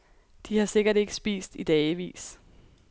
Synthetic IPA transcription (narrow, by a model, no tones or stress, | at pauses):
d̥ihɑ̈se̝ɡ̥ɐɾe̝ɡ̥əsb̥ḭːsd̥id̥ɛːɪʋḭːs